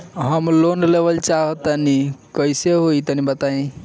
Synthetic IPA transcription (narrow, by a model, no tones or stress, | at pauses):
ɦəmlonlebəlt͡ʃaɦət̪ənikəjseɦoit̪ənibət̪aĩ